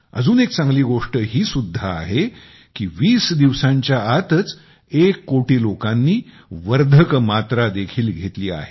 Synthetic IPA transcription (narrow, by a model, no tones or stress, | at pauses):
ə̰d͡zuːnek̚t͡sãŋɡliːɡoʂʈəɦiːsud̪ʱːaːɦe | kiːʋiːsd̪iʋsãɲt͡ɕjaat̪ət͡s | ekːoʈiːlokanːiː | ʋəɾd̪ʱəkmat̪ɾad̪ekʰiːlɡʱet̪liːa̰ɦe